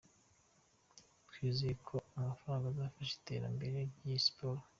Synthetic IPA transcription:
kʰwizikʰoamafaɾaːŋɡazaːfaʃi̥te̞ːɾa̰mbe̞ɾe̞ɾjispoɾo

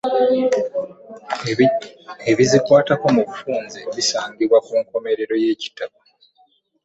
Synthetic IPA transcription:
eβizikwaːtako̞muβufuːnzeβisaːŋɟiβwakuːŋko̞me̞ɾe̞ɾo̞je̞ːci̥taka

